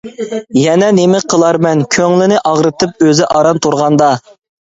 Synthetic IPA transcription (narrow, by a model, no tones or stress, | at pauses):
jɛnɛnemɪqʰːəlˠɑɾmɛnkʲʰøŋlɪnɪʔɑʁɾɨt̪ʰɨp̚øzɪʔɑɾɑnt̪ʰuɾʁɑnd̪ɑ